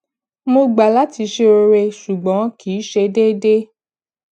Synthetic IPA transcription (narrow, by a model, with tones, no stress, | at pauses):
mo˧ɡ͡ba˨la˨˦ti˧ʃe˧o˧ɾe˧ʃu˨ɡ͡bɔ̃˨˦kiː˨˦ʃe˧de˦de˦